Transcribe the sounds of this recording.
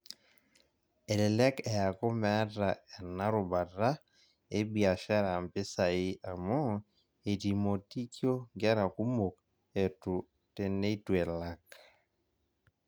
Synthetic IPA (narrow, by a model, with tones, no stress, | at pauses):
ɛ˨lɛ˨lɛ˦kɛ˨a˨kɔ˦mɛ˦ta˨ɛ˨na˦ɾo˨ba˨ɾa˦ | e˦bi˨a˨ʃa˦ɾa˨mpɪ˦sa˨i˦ʔa˨mɔ˦ | e˨ti˨mo˨ti˦kjo˦ɡɛ˦ɾa˨ku˦mo˨k | e˨tu˨ | te˨ne˦i˦twɛ˨la˦k̚